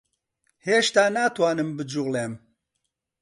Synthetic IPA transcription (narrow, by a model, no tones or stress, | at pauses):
heːʃt̪aːnaːt̪waːnɨmbɨd͡ʒuɣleːm